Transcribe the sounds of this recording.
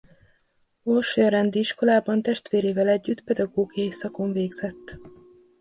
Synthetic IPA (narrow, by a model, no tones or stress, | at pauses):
olʃjɾɛnd̪iiʃko̞laːbɒnt̪ɛʃt̪ʋeːɾeːvɛlɛɟːyt̪pɛd̪ɒɡoːɡijɒjisɒko̞ɱveːɡz̥ɛt̪ː